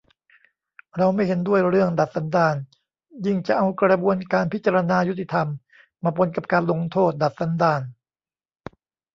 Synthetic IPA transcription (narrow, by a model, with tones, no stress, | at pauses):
ɾa˧wma˥˩jɦe˨˦ndu˥˩əjɾɯ˥˩əŋda˨˩t̪̚sa˩˦ndaː˧n | ji˥˩ŋt͡ɕa˨˩ʔa˧wkɾa˧buː˧ənkaː˧npʰi˦˥t̚t͡ɕːaː˧ɾa˧naː˧ju˦˥t̪ʰːi˨t̪ʰa˧mː | aː˧˩pʰo˧˦nka˨˩p̚kaː˧nlo˧ŋt̪ʰoː˥˩t̪̚da˨˩t̪̚sa˩˦ndaː˧n